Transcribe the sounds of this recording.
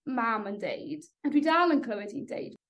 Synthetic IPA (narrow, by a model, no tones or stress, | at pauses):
mamə̃ndḛjd̥ | ə̃ndwidalənkʰləwɪdindḛjd